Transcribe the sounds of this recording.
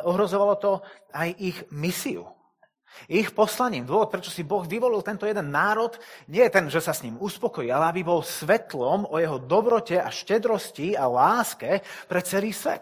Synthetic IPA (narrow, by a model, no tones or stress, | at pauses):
ɔɦɾɔzɔʋalɔt̪ɔ | ajixmisiṵ | ixpɔslaɲiːmd̪ʊɔʋɔt̪̚pɾɛt͡ʃɔ̥sibɔɣʋiʋɔlilˠt̪ɛnt̪ɔjɛd̪ɛnːaːɾɔt̪ɲɪɛɛt̪ɛnʒɛsasɲimuspɔkɔjiːalɛabibɔlsʋɛt̪lɔmɔjɛɦɔd̪ɔbɾɔcɛʔa̰ʃcɛd̪ɾɔscialaːskɛpɾɛt͡sɛliːsʋɛ̰t̪̚